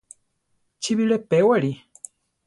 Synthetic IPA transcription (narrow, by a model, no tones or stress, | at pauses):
t͡ʃiβiɾepewaɾi